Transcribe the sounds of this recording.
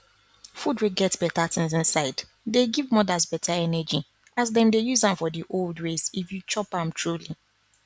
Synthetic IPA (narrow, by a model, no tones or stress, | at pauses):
fudɹeɡɛtsbɛtatĩnz̬ĩnsaɪd | deɡivmɔdazbɛtʰaɛnɛd͡ʒi | azdɛ̃ndejuzãmfɔdiʔoldɹesifjut͡ʃɔpãmtʰɹuli